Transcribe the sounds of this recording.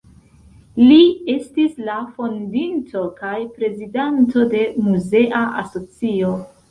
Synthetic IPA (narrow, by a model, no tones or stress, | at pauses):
lie̞stislafo̞ndintʰo̞kajpɾe̞zidanto̞de̞muze̞ʔaʔa̰so̞t͡sio̞